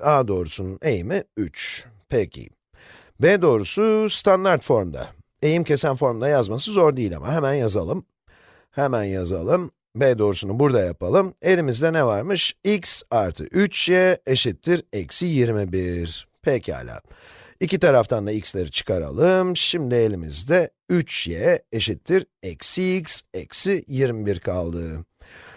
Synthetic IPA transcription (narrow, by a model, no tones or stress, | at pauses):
aːd̪o̞ːɾusunejimiyt͡ʃ | pʰɛcʰḭ | beːd̪o̞ːɾusust̪ʰand̪aɾt̪fo̞ɾmd̪a̰ | e̞jimcʰe̞sænfo̞ɾmd̪ajazmasɯzo̞ɾd̪iːlʲa̰ma̰ɦemænjaza̰lˠɯm | hemænjaza̰lˠɯm | bed̪o̞ːɾusunubuɾd̪ajapʰalˠɯme̞lʲimizd̪ɛnɛvaɾmɯʃiksaɾt̪ʰɯ̰yt͡ʃjɛeʃit̪ʰːiɾɛcsijiɾmibiɾ̥pʰɛcʰa̰ːlʲa̰ː | icit̪ʰaɾaft̪ʰand̪aicslʲeɾit͡ʃʰɯ̥kʰaɾa̰lˠɯmʃimd̪ie̞lʲimḭzd̪ɛ | yt͡ʃjɛeʃit̪ʰːiɾɛksiːcsɛ̰ksijiɾmibiɾkʰalˠd̪ɯ